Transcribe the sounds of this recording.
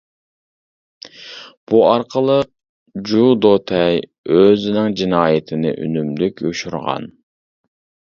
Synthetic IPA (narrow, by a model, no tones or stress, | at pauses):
b̥uɑɾqʰəlˠə | d͡ʒud̪ot̪ʰɛj | øzɪnɪŋd͡ʒinɑːjɪt̪ʰɪnɪ̰ʔy̰nymlykʲʰuʃuɾʁɑ̰n